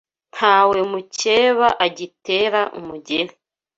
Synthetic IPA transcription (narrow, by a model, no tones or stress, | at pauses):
n̥haːwe̞muce̞ːβaʔaɟite̞ːɾaʔṵmuɟeni